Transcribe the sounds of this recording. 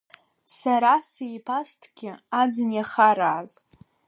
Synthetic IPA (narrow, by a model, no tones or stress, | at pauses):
saɾasejpʰastʰɡʲɪad͡zɨnjaχaɾaːz